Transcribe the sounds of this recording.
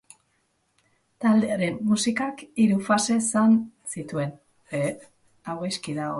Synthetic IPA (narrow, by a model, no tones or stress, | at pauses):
t̪ald̪e̞aɾe̞mːusikakiɾufase̞ːsansit̪ue̞n | e | aɣojskiðao